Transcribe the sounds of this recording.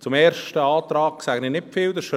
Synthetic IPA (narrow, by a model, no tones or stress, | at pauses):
t͡sʊmɛːɾʃtəɑːt̪ɾɑːksæɡ̥ənɪnɪfɪld̪əʃ